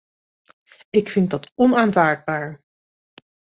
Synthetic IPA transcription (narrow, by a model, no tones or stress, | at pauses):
ɪkfɪntdɑtɔnaːnvaːɹd̚baːɹ